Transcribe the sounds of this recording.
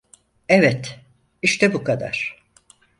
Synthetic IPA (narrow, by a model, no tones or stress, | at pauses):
ɛvɛt̪ | iʃt̪ʰɛbukʰad̪a̰ɾ̥